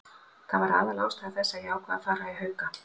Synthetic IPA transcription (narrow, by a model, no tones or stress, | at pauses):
θavaɾa̰ːðalaːwst̪av̥θɛsːajaːwkʰvaa̰ðfaːɾaiɦœːɥka